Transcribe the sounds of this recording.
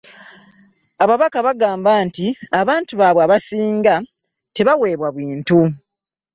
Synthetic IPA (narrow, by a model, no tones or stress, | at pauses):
aβaβakaβaɡaːmbaːntiaβaːntuβaːβwaβasiːŋɡa | te̞βawe̞ːβwaβwiːntu